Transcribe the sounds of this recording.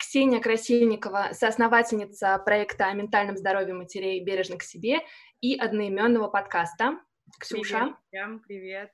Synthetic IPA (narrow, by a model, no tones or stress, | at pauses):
ksʲenʲəkɾɐsʲilʲnʲɪkəvəsəːsnɐvatʲɪlʲnʲɪt̪səpɾɐɛkt̪əɐmʲɪnt̪alʲnəmzd̪ɐɾo̞vʲɪɪmətʲɪɾʲeɪbʲeɾʲɪʐnəksʲɪbʲe̞ | iʔɐd̪nəɪmʲo̞nːəvəpɐt̪kast̪ə | ksʲuaɾʲɪvʲet̪̚